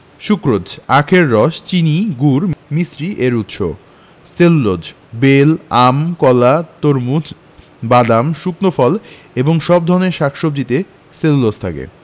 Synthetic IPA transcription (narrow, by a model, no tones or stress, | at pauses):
ʃukɾod͡ʑakʰeɾːɔʃt͡ɕiniɡuɾmisɾiʔeɾut̪ːʃo̰ | sellod͡ʑ | belamkɔlat̪oɾmud͡ʑ | bad̪amʃuknofɔl | eboŋʃɔb̚d̪ʱɔɾneɾʃakʃob̚d͡ʑit̪e | selulod͡ʑt̪ʰakḛ